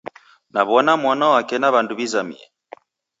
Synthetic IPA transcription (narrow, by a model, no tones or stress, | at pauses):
naβɔnamwanawakɛnaβanduβizamḭɛ̰